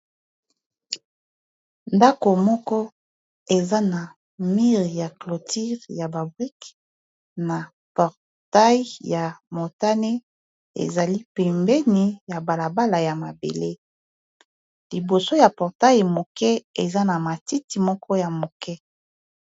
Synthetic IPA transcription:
nda˦ko˨mɔ˦kɔ˦ | e˨za˦na˨ | mi˦ʁja˨klo˨ti˦ʁja˨ba˨bʁi˦k | na˨ | pɔ˨ʁ | ta˦i˦ja˨mo˨ta˦ne˦ | ḛ˨za˨li˦pɛ˨mbɛ˦ni˨ja˨ba˨la˨ba˦la˨ja˨ma˨bḛ˨le˦ | li˨bo˨so˦ja˨pɔ˨ʁta˦ji˨mo˨kɛ˦e˨za˦na˨ma˨ti˦ti˨mɔ˦kʰɔ˦ja˨mo˨kɛ˦

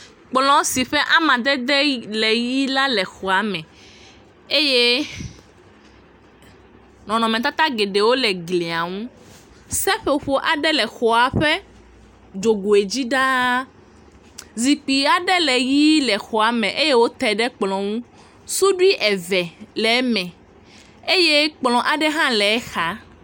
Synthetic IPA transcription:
k͡plɔ̃˨si˨ɸɛ˦ʔa˦mã˨d̪ɛ˦d̪ɛ˦lɛ˨ji˦la˦lɛ˨xɔ˨a˨mɛ̃˨ | e˦je˦ | nɔ̃˨nɔ̃˨mɛ̃˨t̪a˦t̪a˦ɡe˨ɖe˨wo˦lɛ˨ɡle˨a˨ŋũ˦ | sɛ˦ɸe˦o˨ɸo˦ʔa˨ɖɛ˦lɛ˨xɔ˨a˨ɸɛ˦ | d͡ʒo˨ɡo˨e˨d͡ʑi˦ɖa˦ | zi˨k͡pi˨a˨ɖɛ˦lɛ˨ji˦lɛ˨xɔ˨a˨mɛ̃˨ʔe˦je˦wo˦t̪ɛ˨ɖɛ˦k͡plɔ̃˨ŋũ˦ | su˦ɖu˦i˦ʔɛ˨vɛ˨lɛ˨˦mɛ̃˨ | e˦je˦k͡plɔ̃˨ʔa˨ɖɛ˦ɦã˦lɛ˨ɛ˦xa˨

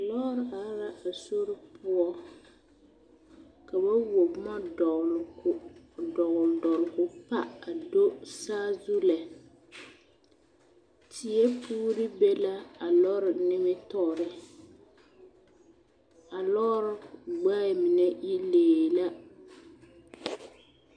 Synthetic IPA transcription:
a˨lɔ˦ɾɪ˦ʔa˨˦ɾa˦ʔa˨so˦ɾɪ˦pʊ˦ɔ˦ | ka˨ba˦wo˨bma˦dɔ˨ | dɔ˨ɣʊ˨ldɔ˨ɾɡʊ˨pa˦a˨do˦saː˦zu˦la˨ | tʰɪ˨ɛ˦pʰuː˦ɾɪ˦bɛ˦la˦a˨lɔ˦ɾɪ˨nɪ˦mɪ˦tɔ˦˨ɾɪ˨ | a˨lɔ˦ɾɪ˨ɡ͡ba˦˨mɪ˨nɛ˦i˦leː˨la˦

